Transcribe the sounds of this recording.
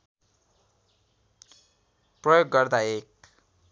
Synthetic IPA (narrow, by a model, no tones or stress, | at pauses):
prʌjoɡːʌrd̪aek̚